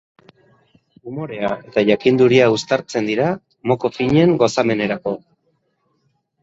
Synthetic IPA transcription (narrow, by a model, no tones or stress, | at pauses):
umo̞ɾe̞ae̞t̪aʝakind̪uɾiaust̪aɾt͡se̞nd̪iɾa | mo̞ko̞fiɲe̞ŋɡo̞same̞ne̞ɾako̞